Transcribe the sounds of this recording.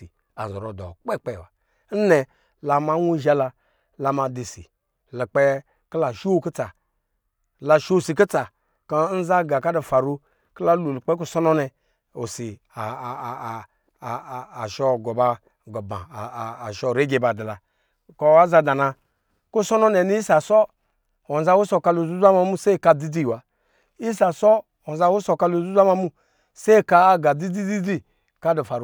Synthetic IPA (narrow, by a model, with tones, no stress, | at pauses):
i˨ | a̰˨zɔ˨ɾo˨dɔ˨k͡pe˦k͡pe˦˨wa˨ | n̩˦nɛ˨ | la˨ma˦wu˦ʒa˦la˧ | la˧ma˨di˨sḭ˨ | li˨k͡pe˦ | kla˨ʃu˦wo˦ki˦t͡sa˨ | la˨ʃo˦˨si˨ki˦t͡sa˨ | ka˦n̩˦za˦ɡa˨ka˦du˨fa˨ɾu˦ | kla˦lu˨lu˨k͡pe˦k̬u˦sɔ˦nɔ˦nɛ˧ | o˨si˨ | a˨ | ʃɔ˦ɡɔ˨ba˦ | ɡɔ˨bã̰ː˨ʃɔ˦˨ɾe˦ɡe˨ba˨di˨la˨ | kɔ˦wa˦za˧da˨na˧ | ku˦sɔ˦nɔ˦nɛ˨ni˦i˦sa˨sɔ˦ | ɔ˨n˨za˦wu˦sɔ˨ka˧lo˨zu˦zʷa˦ma˧mu˦se˦˨ka˧˨di˦di˦˨wa˨ | i˦sa˨sɔ˦ | ɔ˨za˦wu˦sɔ˨ka˧lo˨zu˦zʷa˦ma˧mu˦ | se˦˨ka˧a˦ɡa˨di˦di˦di˦di˦ | ka˦du˨fa˨ɾu˦